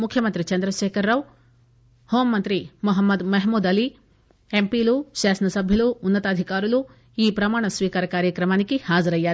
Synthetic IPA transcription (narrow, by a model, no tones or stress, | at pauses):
mukʰjɐmɐnt̪ɾit͡ʃɐnd̪ɾɐʃeːkʰɐɾːaʋ | hoːmːɐnt̪ɾimuɦɐmːɐd̪mɐɦmuːd̪ɐli | empiluʃaːsɐnɐsɐbʱjɐluːnːɐt̪aːd̪ʱikaːɾulu | iːpɾɐmaːɳɐsʋiːkaːɾɐkaːɾjɐkɾɐmaːnikihaːd͡ʒɐɾɐjːaɾ